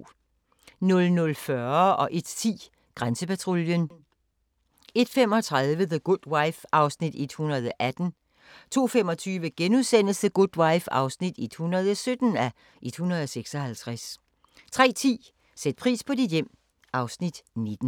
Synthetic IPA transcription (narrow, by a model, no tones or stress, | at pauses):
nɔ̽lnɔ̽lfɶɐɒ̽ʔe̝d̥t͡sʰḭː | ɡ̥ʁansəpæt͡sʰʁo̝ljən | e̝d̥fem̰ɒ̽t͡sʰʁaðˠʋəðəɡ̥ud̥waɪfɑ̈ʊsnid̥e̝d̥hunɐð̞ˠɒʔæd̥n̩ | t͡sʰo̝̰ːfem̰ɒ̽t͡sʰyːʋəɡ̥enuðˠsen̰l̩səɡ̥ud̥waɪfɑ̈ʊsnid̥e̝d̥hunɐð̞ˠɒ̽sød̥n̩æ | ʔe̝d̥hunɐð̞̩ˠɒseɡ̥sɒ̽hælt͡sʰʁas | t͡sʰʁɛ̰ːt͡sʰḭː | sed̥̚pʰʁḭːspʰɒ̽did̥jem̰ | ʔɑ̈ʊsnid̥ne̝d̥n̩